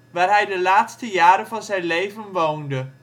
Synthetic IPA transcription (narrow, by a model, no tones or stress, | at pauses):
ʋæɾhæɪdelæːd̥sd̥əjæɐɾəfɒsaɪnleːfənʋoʊndə